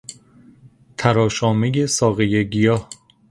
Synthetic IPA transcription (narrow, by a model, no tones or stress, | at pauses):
t̪ʰæɾɒːʃɒːmejesɒːɣejeɟijɒːh